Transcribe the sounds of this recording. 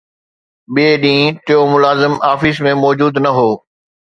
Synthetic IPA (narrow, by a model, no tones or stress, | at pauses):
ɓeɗĩːʈɪjomʊlaːzɪmaːfismẽmɔːd͡ʑuːd̪nɐɦoː